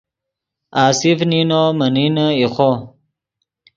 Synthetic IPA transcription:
aːsifninoməninəiχo

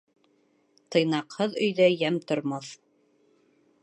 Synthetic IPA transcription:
t̪ɤ̆jnɑqhɤðɵ̆jðæjæmt̪ŏɾmɑθ

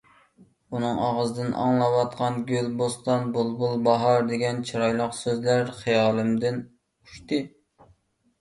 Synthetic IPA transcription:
unɨŋɑ̰ʁəzɨd̪ɨnʔɑ̰ŋlˠɑwɑt̪̚qʰɑnɡʲølbost̪ɑnbolˠbulˠbɑɦɑɾd̪eɡʲɛnt͡ʃʰiɾɑjlˠəqsøzlæɾχɨjɑːlˠɨmd̪ɪn | uʃt̪ɨ

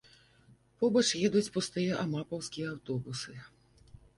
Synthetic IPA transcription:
pɔbɐt͡ʂjɛd̪ut͡sʲpust̪ɨjɛʔɐmapɐwskʲijɛawt̪ɔbusɨ

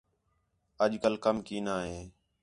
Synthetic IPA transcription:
əʄkəlkəmkiːnaːɦeː

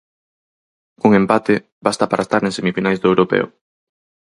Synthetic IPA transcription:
koŋempat̪e | bast̪apaɾaest̪aɾeŋsemifinajzd̪ʊewɾopɛ̰o̰

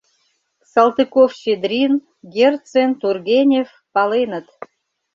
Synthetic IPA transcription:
sɑlˠt̪ɨkofɕed̪ɾʲin | ɡʲert̪t͡sent̪urɣʲenʲef | pɑlenə̆t̪

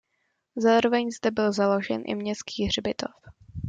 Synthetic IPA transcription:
zaːɾo̞vɛɲzdɛbɪlzalo̞ʒɛ̰nʔɪ̰mɲɛski̥ːɦr̝bɪt̪of

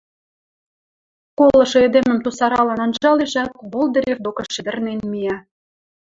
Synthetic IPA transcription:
kolːɤ̆ʃɤ̆ed̪emə̆mt̪usɑɾɑlɤ̆nɑnʒɑleʒæk̚βolˠd̪ə̆ɾʲevd̪okɤ̆ʃɘ̆d̪ə̆rnenmijɑ

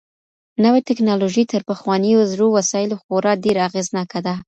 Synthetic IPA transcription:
nəwet̪ɪknɑloʒit̪əɾpəxwɑnijozɽowasɑjɪloxoɾɑɖeɾaaɣeznɑkad̪a

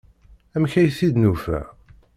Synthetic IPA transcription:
æmçæjθid̪nufæ̰

